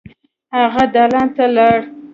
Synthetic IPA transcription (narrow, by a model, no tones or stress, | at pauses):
haɣad̪alɑnt̪alaɽ